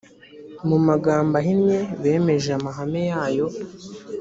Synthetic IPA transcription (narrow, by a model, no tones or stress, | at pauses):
mumaɡaːmbaɦinɲe̞βe̞ːme̞ʒeamaɦame̞jaːjo̞